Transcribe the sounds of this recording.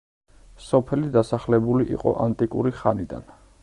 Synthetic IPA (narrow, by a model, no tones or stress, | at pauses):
sɔpʰɛlid̪asaχlɛbuliʔḭqʼɔ̰ʔant̪ʼikʼṵɾiχanid̪a̰n